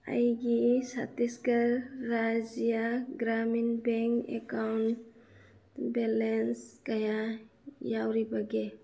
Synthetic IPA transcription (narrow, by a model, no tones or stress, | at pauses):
a̰jɡisa̰t̪iskaɾːad͡ʒijaɡɾaminbɛŋkɛ̰kawn | bɛlɛnskajajawɾibaɡɛ